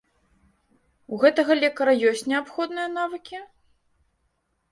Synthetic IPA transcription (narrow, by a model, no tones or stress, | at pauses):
uɣɛt̪ɐɣɐlʲɛkɐɾɐjɔsʲt͡sʲnʲɛapxɔd̪nɨjɐnavɨkʲi